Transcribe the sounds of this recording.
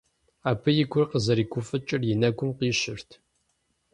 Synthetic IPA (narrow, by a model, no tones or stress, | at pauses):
aːpʰɨjɪɡʷʊrqəzɐɾiːkʷʊfɨt͡ʃʼɪrjɪnɐɡʷʊmqiːɕɪrtʰ